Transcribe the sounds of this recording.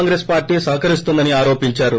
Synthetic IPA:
ŋɡɾeːspaːɾʈːiːsɐɦkɐɾist̪und̪ɐniaːɾo̞ːpiɲt͡ʃaːɾu

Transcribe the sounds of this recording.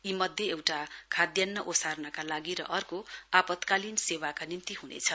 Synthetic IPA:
imʌd̪ʱjeewʈakʰad̪jʌnːʌʔosarnʌkalaɡiɾʌ̰ʔʌrkoapʌt̪kalinsewakanimt̪iɦunḛt͡sʰʌ

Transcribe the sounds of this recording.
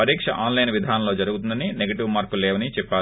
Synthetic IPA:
pɐɾiːkʂɐ̰ʔaːnlɐjnʋid̪ʱaːnɐlo̞ːd͡ʒɐɾuɡut̪und̪ɐnineɡɐʈiʋmaːɾkuleːʋɐnit͡ʃɛpːaː

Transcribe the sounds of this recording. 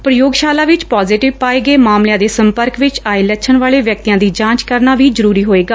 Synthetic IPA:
pɾəjoːɡʃaːlaːʋɪt͡ʃpaːzɪʈɪʋpaːeːɡeːmaːmljãːd̪eːsəmpəɾkʋɪt͡ʃaːeːlɛːt͡ʃʰənʋaːɭeːʋjək̚t̪ijãːd̪iːd͡ʒãːt͡ʃkəɾnaːʋiːzəɾuːɾiːɦoːeːɡaː

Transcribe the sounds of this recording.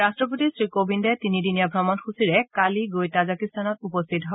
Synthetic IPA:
ɹastɹɔp̬ot̪isɹikobʱindatinidinijabʱɹɔmɔnxusiɹɛkaliɡojtazakistʰanɔtupɔst̪ʰitɦɔ

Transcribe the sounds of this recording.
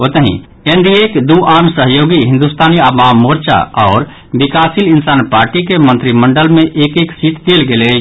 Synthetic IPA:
oːt̪əɦḭ̃ | end̪iekd̪uʔaːnsəɦjoːɡiɦɪ̃nd̪ust̪ʰaːniabaːmːoɾt͡ʃa̰ɔːɾ | bikaːsilɪnsaːnpaːɾʈikemə̃nt̪ɾiməɳɖəlmẽʔeːkeːksit̪d̪elɡele

